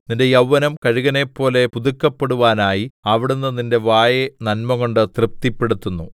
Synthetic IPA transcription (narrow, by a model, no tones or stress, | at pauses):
ninde̞jɐwːɐnɐmkɐɻiɣɐne̞pːo̞ːle̞puðukːɐpːe̞ɽuʋaːnaːjiɐʋiɽunːɨninde̞ʋaːjenɐnmɐɣo̞ɳɖɨt̪rɨp̚t̪ipːeɽut̪ːunːu